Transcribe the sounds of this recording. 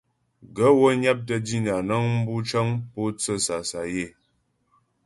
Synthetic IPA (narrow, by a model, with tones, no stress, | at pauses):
ɡə˨˦wo˦ɲa˦p̚tə˦di˦n˨a˨nə˦ŋm̩˦bu˦t͡ʃə˦ŋpo˦t͡sə˦˨sa˨sa˨je˦˨